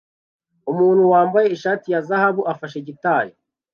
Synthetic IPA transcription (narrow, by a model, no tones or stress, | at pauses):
umuːnhuwaːmbaje̞iʃaːtijazahaβuʔafaʃe̞ɟitaːjo